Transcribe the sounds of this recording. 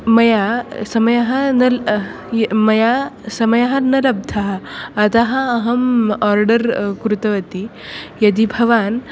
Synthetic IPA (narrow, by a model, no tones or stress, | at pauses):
mɐjasɐmɐjɐɦɐnɐl | mɐjasɐmɐjɐɦɐnɐlɐb̚d̪ʱaɦːt̪aɦaɐɦɐmɔɾɖəɾkɾut̪ɐʋɐt̪i | jɐd̪ibʱɐʋaːn